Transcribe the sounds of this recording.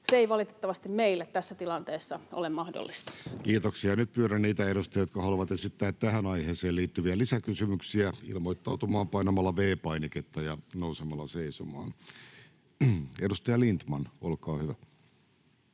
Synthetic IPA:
seeiʋɑlit̪e̥t̪ːɑʋɑst̪immeilːæt̪t̪æsːæt̪ilɑnt̪eːsːɑʔo̰lemmɑhdo̰lːist̪ɑ̥kiːt̪oksiɑnyt̪̚pyøɾænniːt̪æeɾust̪ɑjɑjot̪̚kɑhɑluʋɑt̪esit̪ːæːt̪t̪æhænɑiheːseːlliːt̪ːyʋiælisækysymyksiæḭlmoit̪ːɑut̪umɑːmpɑinɑmɑlːɑʋeːpɑiniket̪ːɑjɑnousemɑlːɑseisomɑ̰ːn | edust̪ɑjɑlint̪mɑnolkɑːhyʋæ

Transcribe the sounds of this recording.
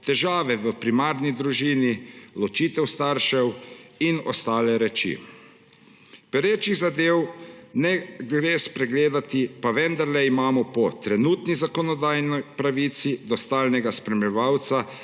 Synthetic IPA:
t̪ɛʒaːʋɛʋəpɾimaːɾnid̪ɾuʒiːnilɔt͡ʃiːt̪ɛwst̪aːɾʃɛwinɔ̰st̪aːlɛɾɛt͡ʃḭ | pɛɾeːt͡ʃiɣzad̪eːwnɛɡɾespɾɛɡleːd̪at̪ipaʋɛnd̪aɾlɛimaːmɔpɔt̪ɾɛnuːt̪nizakɔnɔd̪aːjnɔjpɾaʋiːt̪sid̪ɔst̪aːlnɛɡaspɾɛmjɛʋawt̪sa

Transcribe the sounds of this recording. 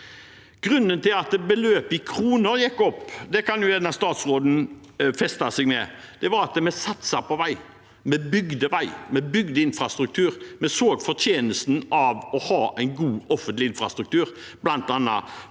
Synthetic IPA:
ɡ̥ʁʉnːənt̪ɪlɑt̪bəløːpɪkʰɾuːnəɾjɛkːɔpːd̪ɛkɑnjʊɛːd̪nɑst̪ɑːt̪sʁoːd̪n̩ | fɛst̪ɑsɛɡmɛ̰d̪̥ɛʋɑɾɑt̪mɛsɑt̪sɑpɔʋæɪ | mɛbʏɡd̪əʋæɪmɛbʏɡd̪əɪnfʁɑst̪ɾʉk̚t̪ʰʉːɾmɛsoːɡfɔʁt̪ʰjeːnəst̪n̩ɑʋɔhɑːʔæɪnɡuːɔfənt̪lɪɪnfʁɑst̪ɾʉk̚t̪ʰʉːɾ | blɑnt̪ɑnːɑ̰

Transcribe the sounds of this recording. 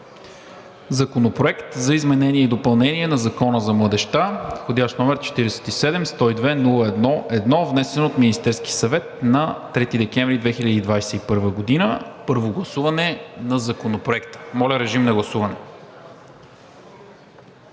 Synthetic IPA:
zɐkonopɾoɛkt̪zɐizmɛnɛniɛid̪opɐlˠnɛniɛnɐzɐkɔnəzɐmlˠəd̪ɛʃt̪axod̪ʲaʃnɔmɛɾt͡ʃɛ̥t̪iɾɛsɛ̥t̪isɛd̪ɛmst̪ɔid̪vɛnulˠəɛd̪nɔʔɛd̪nɔvnɛsɛnoot̪minist̪ɛɾsk̟i̥sɐvɛt̪̚nɐt̪ɾɛt̪id̪ɛk̟ɛnvɾid̪vɛxilʲəd̪id̪vajsɛipɤɾvəɡod̪inəpɤɾvoɡlˠɐsuvɐnɛnɐzɐkonopɾoɛkt̪ə̥mɔlʲəɾɛʒimnɐɡlˠɐsuvɐnɛ

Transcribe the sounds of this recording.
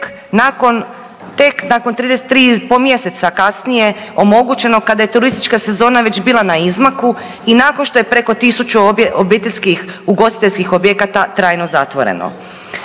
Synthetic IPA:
k | nako̞n | t̪e̞knako̞nt̪ɾiːd̪ese̥t̪ːɾiːpomje̞se̞t̪sakasnije̞o̞mo̞ɡut͡ɕe̞no̞kad̪aje̞t̪uɾist̪i̥t͡ʃkase̞zo̞ːnaʋe̞t͡ʃbiːlˠanaizmaku | inakonʃt̪o̞je̞pɾe̞ko̞t̪isut͡ʃuobit̪eʎʲskixuɡo̞st̪i̥t̪e̞ʎʲskixobjekat̪at̪ɾaːjno̞zat̪ʋo̞̰ɾḛno̰

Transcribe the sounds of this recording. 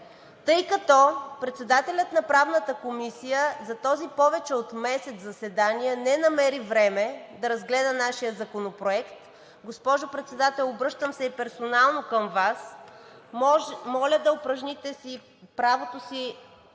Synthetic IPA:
t̪ɤjkɐt̪ɔpɾɛt̪sɛd̪at̪ɛlʲət̪nɐpɾavnət̪əkomisijəzɐt̪ɔzipɔvɛt͡ʃɛot̪mɛsɛt̪zɐsɛd̪anijənɛnɐmɛɾivɾɛmɛd̪ɐɾɐzɡlɛd̪ənaʃijəzɐkonopɾoɛkt̪ | ɡospɔʒopɾɛt̪sɛd̪at̪ɛlˠobɾɤʃt̪əmsɛipɛɾsonalˠnokəmvas | mɔlʲəd̪ɐopɾəʒnit̪ɛsi | pɾavot̪osi

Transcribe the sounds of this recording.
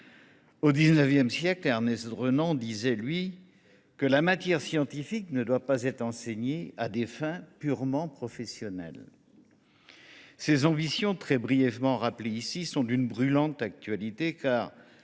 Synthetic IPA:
od̪iznəvjɛmsjɛklaʁnɛsd̪ʁønɑ̃d̪izɛlɥi | kəlamat̪jɛʁsjɑ̃t̪ifiknəd̪wapazɛt̪χɑ̃seɲead̪efɛ̃pyʁmɑ̃pχɔfɛsjɔnɛ̰l | sezɑ̃bisjɔ̃t̪χɛbʁijɛvmɑ̃ʁapleisisɔ̃d̪ynbʁylɑ̃t̪ak̚t̪ɥalit̪ekaːʁ

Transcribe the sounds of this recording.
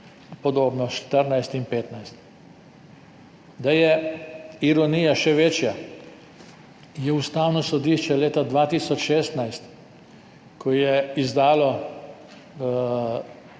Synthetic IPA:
pɔd̪oːbnɔʃt̪əɾnajst̪inpeːt̪najst̪ | d̪ajɛ | iɾɔnijaʃɛʋeːt͡ʃja | jɛust̪aːwnɔsɔd̪iʃt͡ʃɛleːt̪ad̪ʋat̪iːsɔt͡ʃʃeːst̪najst̪ | kʰɔjɛizd̪aːlɔ

